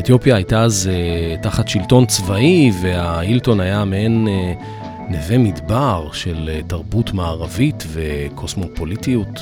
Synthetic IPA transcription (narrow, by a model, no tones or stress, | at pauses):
et̪jo̞pjaːjtaazetaχatʃilto̞nt͡svaiveailto̞najameenː | evemidbaʁʃe̞ltaʁbutmaːʁavitve̞kʰosmo̞politiut